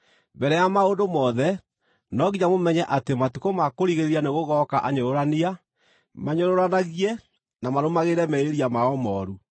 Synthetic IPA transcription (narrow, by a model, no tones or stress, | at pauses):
bɛɾɛjamaondomɔðɛ | nɔɣiɲamomɛɲɛʔatematukomakoɾiɣeɾeɾianeɣoɣɔkaʔaɲoɾoɾania | maɲoɾoɾanaɣiɛ | namaɾomaɣeɾɛmɛeɾiamaɔmɔːɾu